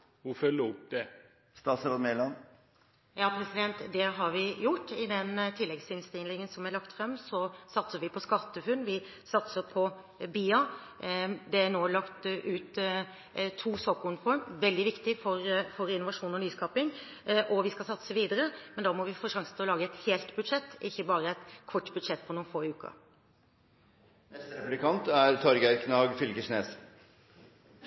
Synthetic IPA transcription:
ʋʊfœlːəɔpd̪ɛ | st̪ɑːsɾɑmelɑn | jɑːpʰɾɛsɪd̪ɛnt̪d̪ɛɦɑɾʋɪjʊʈːɪd̪ɛnt̪ʰɪlːɛɡsɪnst̪ɪnlɪŋənsɔmæɭɑkt̪fɾɛmːsɔsɑt̪səɾʋɪpʰɔskɑt̪ːəfʉnːʋɪ | sɑt̪səɾpʰɔ | biːɑ | d̪ɛænoːlɑkt̪ʔʉːt̪ | t̪ʰːuːsoːkʊnfɔɾmʋɛld̪ɪʋɪkt̪ɪfɔɾfɔɾɪnʊʋɑʂuːnɔnyːskʰɑːpɪŋ | ʔɔʋɪskɑsɑt̪səʋiːd̪əɾəmɛnd̪ɑːmɔʋɪfoːʂɑŋsənʰɪɔlɑːɡəɛt̪heːlt̪bʉd̪ʂɛt̪ːɪçːəbɑːɾəæɪt̪kʰɔʈːbʉd̪ʂɛt̪̚ːpʰɔnuːnfoːɪʉːkɑ̰ | nɛst̪ɾɛplɪkʰɑnt̪æɾt̪ʰɔɾɡæɾkʰnɑːɡfʏlɡəʂneːs

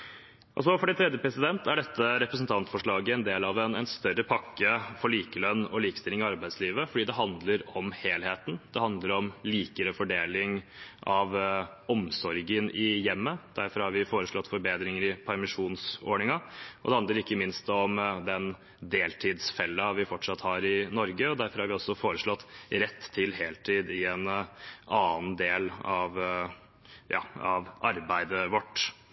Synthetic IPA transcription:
ʔɔ̰sɔfɔɖɛt̪ʰɾɛd̪jəpɾɛsɪd̪ɛnt̪ʰæɖɛt̪ːəɾɛpɾəs̬n̩t̪ʰɑnt̪fɔʂɭɑːɡəɛnd̪eːlɑʋɛnɛnst̪œɾəpʰɑkːəfɔɭiːkəlœnːɔliːkə̥st̪ɪlɪŋɪɑɾbæɪsliːʋəfɔɖiːd̪ɛɦɑnd̪ləɾɔmheːlheːt̪n̩d̪ɛhɑnd̪ləɾɔmliːkəɾəfɔɖeːlɪŋʔɑʋɔmsɔɾɡənʔɪjɛmːəd̪̥æɾfɔɾhɑɾʋɪfoːɾəʂɭɔt̪ːfɔɾbeːd̪ɾɪŋəɾɪpʰæɾmɪʂuːnso̰ːɳɪŋɑʔɔd̪ɛhɑnd̪əɾɪkːəmɪnst̪ɔmd̪ɛn | d̪eːlt̪ʰiːd̪sfɛlːɑʋɪfɔʈʂɑt̪ːhɑɾɪnɔɾɡəɔd̪æɾfɔɾhɑɾʋɪɔsːɔfoːɾəʂɭɔt̪ːɾɛt̪ʰːɪlɦeːlt̪ʰiːd̪ɪɛnɑːnd̪eːlɑʋ | jɑ̰ːɑʋʔɑɾbæɪd̪əʋɔʈː

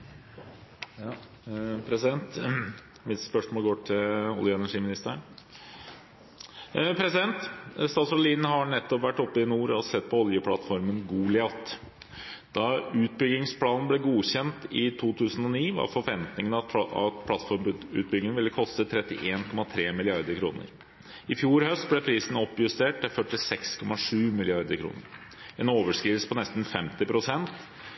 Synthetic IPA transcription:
pʰɾɛsɪd̪ɛnt̪ | mɪt̪spœʂmoːlɡoːʈʰɪlɔ̰ljəɛnæʂiːmɪnɪst̪ə | pʰɾɛsɪd̪ɛnt̪st̪ɑːsɔliːnhɑɳɛt̪ːɔpʋæʈːɔpːəɪnuːɾɔsɛt̪̚ːpʰɔɔljəpʰlɑ̰t̪fɔɾmənɡuːlɪɑt̪ː | d̪̥ɑʉːt̪̚bʏɡɪŋspʰlɑːnn̩blɛɡuːçɛnt̪ɪt̪ʰuːt̪ʰʉːsən̩ɔniːʋɑ̰ɾfɔɾʋɛnt̪nɪŋənɑɑt̪pʰlɑt̪fɔɾmʉ̰ːt̪̚bʏɡlɪŋʋɪlːəkʰɔst̪ət̪ʰɾɛt̪ɪʔeːnkʰɔmɑt̪ʰɾeːmɪlɪɑɾd̪əɾkʰɾṵːnə̰ɾ | ɪfjuːɾhœst̪̚blɛpʰɾiːsn̩ɔpːjʉst̪eːʈ̚t̪ɪfœʈɪsɛkskʰɔmɑʂʉːmɪlɪɑɾd̪əɾkʰɾṵːnə̰ɾ | ɛnoːʋəʂkɾiːsə̥pʰɔnɛst̪n̩fɛmt̪ɪpʰɾʊsɛnt̪

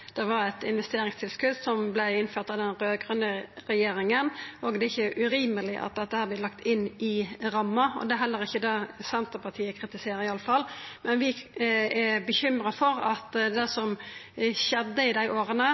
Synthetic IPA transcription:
d̪̥ɛʋɑɾɛt̪ɪnʋɛst̪eːɾɪŋst̪ʰɪlskʉd̪sɔmblæɪɪnføːt̪ɑd̪ɛnɾøːɡʁœnd̪əʁɛjeːɾɪŋənʔɔɡd̪ɛɪçːəʔʉɾiːməlɪʔɑ̰t̪̚d̪ɛt̪ːəhæːblɪt̪lɑkt̪ɪnːɪɾɑmːɑɔ̰d̪ɛæɾɦɛlːəɾɪçːəd̪ɑːsɛnt̪əpɑʁt̪ʰiːəkʰɾɪt̪ɪseːɾəɾɪɑlːəfɑlːmɛnʋɪæbəçʏmɾəɑfɔɾɑt̪d̪ɛsɔmɕɛd̪ːəɪd̪æɪʔoːɾənə

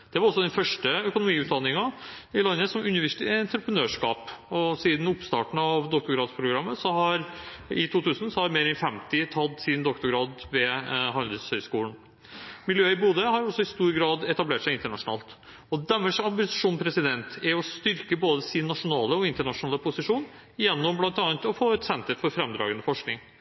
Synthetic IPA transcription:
d̪̥ɛʋɑɾɔsːɔd̪ɛnfœʂʈəœkʊnʊmiːʉːt̪̚d̪ɑnːɪŋɑɪlɑnːəsɔmʉnɪʋæʂɪt̪ɛnt̪ɾəpənøːʂkɑ̰ːpɔsiːd̪n̩ʊpst̪ɑ̰ːʈɳ̩ɑʋd̪ɔkt̪ʊɡɾɑːd̪spʰɾʊɡɾɑmːəsɔhɑɾɪt̪ʰuːt̪ʰʉːsn̩sɔhɑɾmeːɾɛnfɛmt̪ɪt̪ʰɑd̪sɪd̪nd̪ɔkt̪ʊɡɾɑːd̪ʋɛɦɑld̪əshœʏskuːlɳ | mɪljøːɪbuːd̪əɦɑɾɔsːɔɪst̪uːɾɡɾɑːd̪ɛt̪ɑbleːʈʂæɪɪnt̪əɳɑʂʊnɑ̰ːlt̪ | ɔd̪ɛmːəʂɑmbɪsʂuːnpʰɾɛsɪd̪ɛnt̪æɾɔst̪ʏɾkəboːd̪əsɪnːɑʂʊnɑːləɔɪnt̪əɳɑʂʊnɑːləpʰʊsɪʂuːn | jɛnːɔmblɑnt̪ɑːnt̪ɔfoːɛt̪sɛnt̪əɾfɔɾfɾɛmd̪ɾɑ̰ːɡənəfɔʂknɪŋ

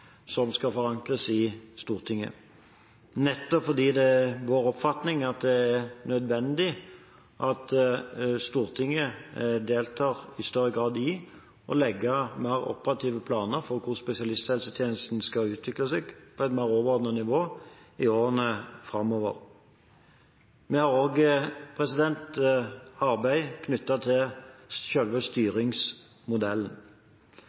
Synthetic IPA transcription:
sɔmskɑfɔʁɑŋkʁəsɪst̪uːʁt̪ʰɪŋːə̰ | nɛt̪ːɔpfɔʁd̪iːd̪ɛʋoːɾɔpfɑt̪nɪŋɑt̪̚d̪ɛæʁnœd̪ʋɛnd̪ɪ | ʔɑt̪ | st̪uːʁt̪ʰɪŋːəd̪eːlt̪ʰɑːʁɪst̪œʁːəɡʁɑːd̪ɪ | ʔɔ̰lɛɡːəmæɪʁɔ̰pəʁɑt̪ʰiːʋəpʰlɑːnəɾfɔʁkʰʊʁspɛsɪɑlɪst̪hɛlsət̪ʰjeːnəst̪n̩skɑʉːt̪ʰʋɪklɑsɛɡpʰɔɛt̪mæːʁoːʋəʁɔʁd̪nənɪʋoːɪoːʁənəfʁɑmːɔːʋə̰ʁ | mɛhɑʁoːɡpʰʁɛsɪd̪ɛnt̪ | ɑʁbæɪkʰnʏt̪ːɑt̪ʰɪlʃœlʋəst̪yːʁɪŋs | mʊd̪ɛln̩

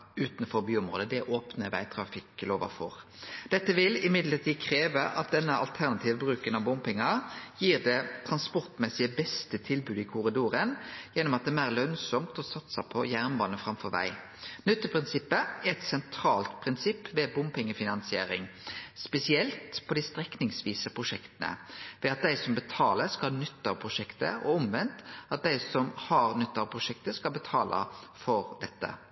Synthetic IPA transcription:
ʉːt̪n̩fɔɾbyːʊmʁo̰ːd̪əd̪ɛʔoːpnəʋæ̰ɪt̪ʰɾɑfɪkloːʋə̰fɔ̰ʁd̪̥ɛt̪ːəʋɪlɪmɪd̪ləʁt̪ʰiːkʰɾeːʋəʔɑ̰t̪̚d̪ɛnːəɑ̰lt̪ʰæʁnɑt̪ʰiːʋəbɾʉːkənɑʋbʊmpɪŋɑjiːʁd̪ɛt̪ʰɾɑnspɔʁt̪mɛsɪəbɛst̪ət̪ʰɪlbʉːd̪ɪkʰʊɾɪd̪uːɾənjɛnːɔmɑt̪̚d̪ɛmæːʁlœnsɔmt̪ɔsɑt̪səpʰɔjæʁnbɑːnəfɾɑmfɔɾʋæ̰ɪ | nʏt̪ːəpʰɾɪnsɪpːəɛɛt̪sɛnt̪ʰɾɑːlt̪pʰʁɪnsɪpːʋɛbʊmpʰɛŋːəfɪnɑnsɪeːɾɪŋspɛsɪɛlt̪pʰɔd̪ɪst̪ɾɛknɪŋsʋiːsəpʰʁʊʂɛkt̪ənə̰ʋɛːɑt̪̚d̪æɪsɔmbət̪ʰɑːləɾskɑlhnʏt̪ːəpʰʁʊʂɛkt̪ə̰ɔʊmʋɛnt̪ʔɑt̪̚d̪æɪsɔmhɑʁnʏt̪ːəɑpʰʁʊʂɛk̚t̪əskɑlbət̪ʰɑ̰ːlʔɑ̰fɔɾd̪ɛt̪ːə̰

